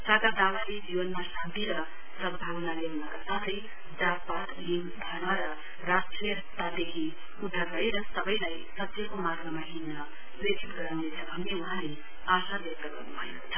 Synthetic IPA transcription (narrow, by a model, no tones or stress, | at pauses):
saɡ̪ad̪awaled͡ziwʌnmasant̪iɾʌ | sʌbʱawʌnaleɦunʌkasat̪ʌj | d͡zapat̪linbʱʌnaɾʌ | rasʈriʌɦʌt̪ːad̪ekʰi | ud̪ʱːarʌeɾʌsʌbʌjlaj | sʌtsʌkomarɡʌmaɦinʌ | predit̪ɡʌɾawnet͡sʰʌbʱʌnːeuɦãle | asabek̚t̪ʌɡʌ̰rnubʰʱʌjnot͡sʰʌ